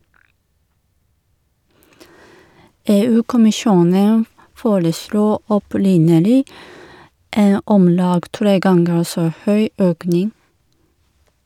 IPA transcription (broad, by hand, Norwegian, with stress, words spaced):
ˈeːˌʉːkʊmɪˌʃuːnən ˈfoːɾəˌsluː ɔˈpɾɪnəlɪ ˈeːn ˈɔmˌlɑːɡ ˈtɾeː ˈɡɑŋɡəɾ ˈsoː ˈhœʏ ˈøːknɪŋ